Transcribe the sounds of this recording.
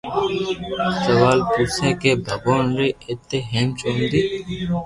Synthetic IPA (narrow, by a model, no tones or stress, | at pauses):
səʋaːlpuɾseːkeːbʱəkoːnɾiːɪt̪ːeːɦemt͡ʃõːnd̪iː